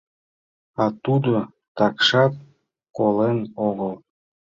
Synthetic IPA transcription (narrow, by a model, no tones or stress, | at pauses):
ɑt̪ud̪o | t̪ɑkʃɑt̪̚ | kolenoɣəlˠ